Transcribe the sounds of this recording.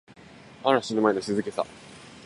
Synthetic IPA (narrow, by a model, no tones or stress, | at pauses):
aɾaɕinɯmaenoɕizɨke̞sa̰